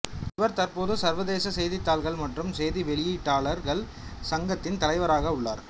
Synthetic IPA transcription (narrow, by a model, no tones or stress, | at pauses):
ɪʋɐɾt̪ɐɾpoːðɯsɐɾʋɐðeːsɐsɛjðɪt̪ːaːlɣɐɭmɐʈrɯmsɛjðiʋɛɭɪjiːʈːaːɭɐɾɣɐɭ | sɐŋɡɐt̪ːɪnt̪ɐlɐɪʋɐɾaːɣɐʊɭːa̰ːɾ